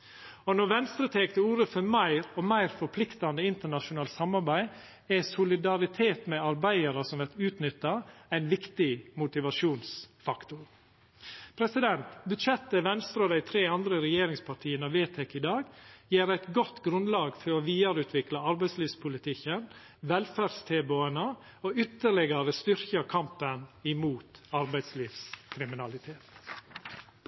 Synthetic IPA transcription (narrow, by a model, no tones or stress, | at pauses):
ɔnɔɾʋɛnst̪ɾət̪ʰeːkt̪əuːɾəfɔmæɪɾɔmæɪɾfɔɾpʰlɪkt̪ɑnd̪əɪnt̪əɳɑʃʊnɑːlt̪sɑmɑɾbæɪ | æsʊlɪd̪ɑɾɪt̪ʰeːt̪mɛɑɾbæɪəɾəsɔmʋæt̪ʉːt̪nʏt̪ːɑæɪnʋɪkt̪ɪmʊt̪ɪʋɑʃuːnsfɑkt̪ʊɾ | pʰɾɛsɪd̪ɛnt̪bʉt̪ʃɛt̪ːəʋɛnst̪ɾɑoːd̪æɪt̪ʰɾeːɑnd̪ɾəɾɛjeːɾɪŋspʰɑʈʰiːənɑʋeːt̪ʰɛkɪd̪ɑːɡjeːɾæɪt̪ɡɔt̪ːɡɾʉnlɑːɡfɔɾoːʋiːɑɾʉːt̪ʰʋɪklɑɑɾbæɪsliːʋspʰʊlɪt̪ʰɪkːən | ʋɛlfæɾst̪ʰeːboənə | oːʏt̪ːəɭɪɡɑɾəst̪ʏɾçɑkʰɑmpənɪmuːt̪ɑɾbæɪd̪sliːʋskʰɾɪmɪnɑlɪt̪ʰeːt̪